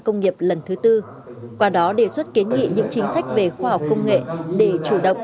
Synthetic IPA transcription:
kə˧wŋ͡mŋi˨˩əp̚lə˨˩nt̪ʰɨ˨˦t̪ɨ˧ | kwaː˧˩ɗɔ˨˦ɗe˧˩swə˦˥t̚ki˨˦nŋḭ˧˨ɲɨ̰˧˥ŋt͡ɕï˨˦ŋ̟sa˦˥jk̟̚ve˨˩xwaː˧ha˨˩wk͡p̚kə˧wŋ͡mŋḛ˧˨ɗe˧˩t͡ɕu˧˩ɗə̰˧˨wŋ͡m

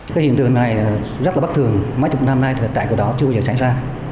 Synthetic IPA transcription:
kaː˨˦hḭ˧˨nt̪ɨ˨˩ə˩ŋna˨˩j | zə˦˥t̚laː˨˩˦t̪ɨ˨˩əŋmaː˨˦jt͡ɕʊ˨˩na˧mna˧jt̪ʰt̪a̰ː˧˨ki˧˩ɗɔ˨˦t͡ɕɨ˧˨˩zəː˨˩sa˧˩ŋ̟zaː˧

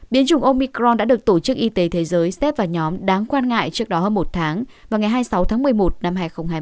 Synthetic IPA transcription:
ɓi˨˦ənt͡ɕʊ˨˩ŋ͡mʔo˧mi˧kɾɔ˧nɗa̰ː˧˥ɗɨ˨˩ək̚t̪o˧˩t͡ɕɨ˦˥k̚ʔi˧t̪e˨˦t̪ʰe˨˦zəː˨˦jsɛ˦˥p̚vaː˨˩ɲɔ˨˦mɗaː˨˦ŋkwaː˧nŋa̰ː˧˨jt͡ɕɨ˦˥ək̚ɗɔ˨˦həː˧nmo˨˩t̚t̪ʰaː˨˦ŋvaː˨˩wŋa˨˩jɦaː˧jsa˨˦wt̪ʰaː˨˦ŋmɨ˨˩əjmo˨˩t̚na˧mɦaː˧jxə˧wŋ͡mhaː˧

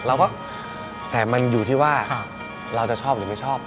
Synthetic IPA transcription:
lɛː˦˥wkɔː˥˩ | t̪ɛː˨˩ma˧njuː˨˩t̪ʰiː˥˩waː˥˩˧ | ɾa˧wt͡ɕa˨˩t͡ɕʰɔː˥˩p̚lɯː˨˩ma˥˩jt͡ɕʰɔː˥˩p̚

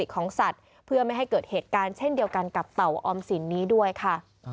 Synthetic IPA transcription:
i˨˩kʰːɔː˩˦ŋsa˨˩t̪̚ | pʰɯ˥˩ɐma˥˩jɦa˥˩jkɤː˨˩t̪̚heː˨˩t̪̚kaː˧nt͡ɕʰe˥˩ndi˧əwka˧nka˨˩p̚t̪a˨˩wʔɔː˧msi˩˦nːiː˦˥du˥˩əjkʰa˥˩

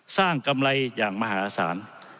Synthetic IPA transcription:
saː˥˩ŋka˧mla˧jjaː˨˩ŋma˧ɦaː˩˦˥sa̰ː˩˦n

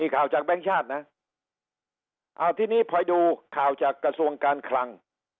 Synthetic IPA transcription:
miː˧kʰaː˨˩wt͡ɕaː˨˩k̚bɛː˥˩ŋt͡ɕʰaː˥˩t̪̚na˦˥ | ʔa˧˩wt̪ʰiː˥˩niː˥˩pʰɔ˧jduː˧kʰaː˨˩wt͡ɕaː˨˩kːɾa˧su˧əŋkaː˧nkʰla˧ŋ

